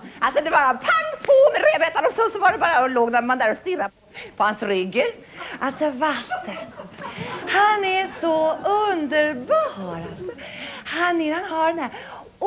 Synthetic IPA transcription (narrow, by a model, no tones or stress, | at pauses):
ʔalsɔd̪ɛbɑːɾaapʰaŋpʰɔmɛɾeːvɛt̪anɔsɔsɔvaɖɛbɑːɾaɔloːɡnæɾmand̪æːɾɔst̪ɪrːa | pʰɔhansɾʏɡː | alt̪sɔvat̪ːə | hanɛsɔɵnd̪əɾbɑːɾad̪hanɪhanɦaɖɛnæːɾ